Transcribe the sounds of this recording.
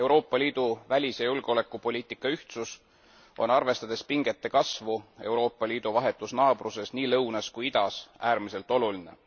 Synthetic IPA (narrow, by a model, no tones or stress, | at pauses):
e̞wɾo̞ːpːˑɑlʲiːd̪̥uvælʲisjɑjulɡ̥o̞le̞kˑːupo̞lʲiːt̪ˑikːˑɑyht̪sus | o̞̰nɑrve̞st̪ɑd̪̥e̞spiŋɡ̥e̞t̪ːe̞kɑsvue̞uwɾo̞ːpˑːɑlʲiːd̪̥uvɑɦe̞t̪ːˑusnɑːb̥ruse̞sniːlɤwnɑskujid̪ɑsæːɾmise̞lt̪ːˑo̞luline̞̰